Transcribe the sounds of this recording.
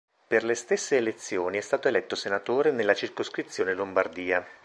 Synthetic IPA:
perlest̪esːeːlet̪sːjoːniɛst̪aːt̪oelɛt̪ːosenat̪oːɾenelːat͡ʃirkoskɾit̪sːjoːnelombard̪iːa

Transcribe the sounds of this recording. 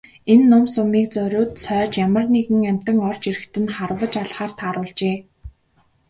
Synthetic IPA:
enːʊmsʊmiːk̚t͡sœɾʲʊːt̪sʰœːt͡ɕjamə̆rneɣɘ̆ŋæm̥ʲt̪ə̆ŋɔrt͡ɕiɾɘ̆xt̪ɘ̆nχarwə̆t͡ɕaɮχaːr̥t̪ʰaːɾʊːɮt͡ɕeː

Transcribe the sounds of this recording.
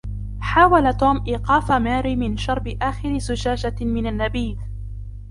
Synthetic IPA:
ħaːwalat̪oːmʔiːqɑːfamaːɾiːmɪnʃɑɾˤbɪʔaːxɪɾɪzʊd͡ʒaːd͡ʒamɪnanːabiːd̪

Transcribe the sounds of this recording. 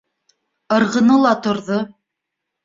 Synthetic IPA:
ɤ̆ɾʁɤ̆nɤlˠɑt̪ŏɾðo

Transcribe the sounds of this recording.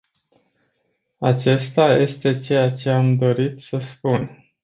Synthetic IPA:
at͡ʃe̞st̪aje̞st̪e̞t͡ʃejat͡ʃe̞amd̪o̞ɾit̪səspun

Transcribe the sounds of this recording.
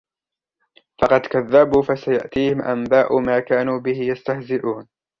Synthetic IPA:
fɑqɑd̪kaðːabuːfasaja̰ʔt̪iːhɪmʔa̰mbaːʔʊmaːkaːnuːbɪhɪjast̪ahzɪʔuːn

